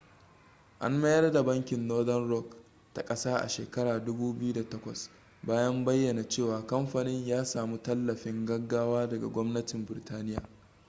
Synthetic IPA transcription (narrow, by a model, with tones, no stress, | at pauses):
ʔa̰˦nmɐ˦jɐ˦rda˨bɐ˦ŋkʲɪ˨nːoː˦dɐ˦nɾɔ˦˨k | ta˨kʼɐ˦saː˦ʔa̰˨ʃḛː˨kɐ˦ɽaː˨dʊ˦buː˦bɪ˦ju˦da˨tɐ˦kʷɐ̰˨s | baː˦jɐ˦mbɐ˦jːɐ˨na˨t͡ʃeː˦˨waː˨kɐ˦mɸa˨nɪ˦ɲjaː˦saː˨mu˦tɐ˦lːɐ˨ɸɪ˦ŋɡɐ˦ɡːaː˦waː˦dɐ˨ɡa̰˨ɡʷɔ˦mnɐ˦tɪ˨mbɪ˨ɾɪ˨taː˦nɪ˦ja̰ː˨